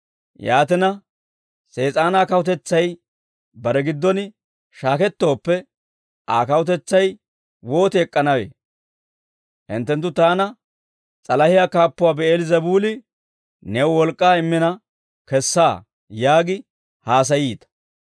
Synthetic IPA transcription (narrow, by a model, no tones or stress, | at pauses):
jaːt̪̬ɪnɐ | se̞ːt͡sʼaːnaːkɐwʊt̪̬ɛt͡sːɐj | bɐɾɛɡɪd̪ːɔnɪ | ʃaːkɛt̪ːo̞ːpːɛ | ʔaːkɐwʊt̪̬ɛt͡sːɐj | wo̞ːt̪ɛɛkʼːɐnɐwḛː | ʔɪ̰nt̪ːɛnt̪ːʊt̪aːnɐ | t͡sʼɐlɐhɪjakaːpːʊwaːbɛeːlɪzɐbuːlɪ | nɛwwɔlkʼːaːɪmːɪnɐ | kɛsːaː | jaːɡɪ | haːs̬ɐjiːt̪ɐ̥